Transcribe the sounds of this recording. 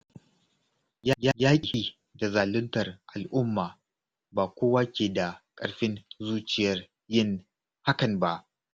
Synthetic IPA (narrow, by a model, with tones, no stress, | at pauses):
ja˦ja˦jʲaː˦kʲʼhiː˦ | da˨zaː˨lʊ˦ntɐ˨rʔa˨lʔʊ˦mːaː˨ | baː˨kʷoː˦waː˦kʲeː˨da˨kʼɐ˦ɽɸɪ˦nzuː˦t͡ʃɪ˨jɐ˦r | jɪ˦˨ŋ | ha˦kɐ˨nba˦ʔ